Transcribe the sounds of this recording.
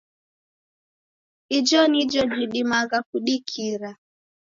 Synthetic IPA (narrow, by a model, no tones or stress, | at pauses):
id͡ʒɔnid͡ʒɔd͡ʒiɗimaɣakuɗikʰiɾa